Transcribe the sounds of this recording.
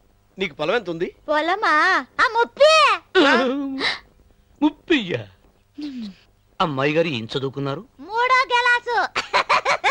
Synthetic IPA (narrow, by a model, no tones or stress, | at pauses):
niːkupɐlɐʋent̪und̪ipɔlɐmaaːmupːi | mupːijːa | ɐmːaːjɡaːɾiḛɲt͡ʃɐd̪uːkunːaːɾumuːɽoːɡɛlaːsu